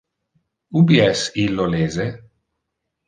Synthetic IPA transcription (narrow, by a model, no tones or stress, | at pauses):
ubiɛsilːoleːze